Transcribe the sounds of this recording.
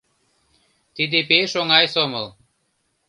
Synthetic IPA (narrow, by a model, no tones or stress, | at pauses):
t̪id̪ipeʃoŋɑjsomɤlˠ